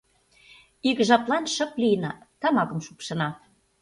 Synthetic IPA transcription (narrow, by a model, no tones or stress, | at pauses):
ikʒɑplɑnʃɤ̆plijnɑt̪ɑmɑkə̆mʃupʃɤ̆nɑ